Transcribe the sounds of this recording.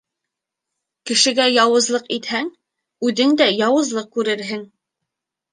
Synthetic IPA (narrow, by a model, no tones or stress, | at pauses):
kɘ̆ʃɘ̆ɡæjɑwɤ̆zlˠɤqit̪hæŋ | ʉðɘŋd̪æjɑwɤ̆zlˠɤq̚kʉɾɘɾɦɘŋ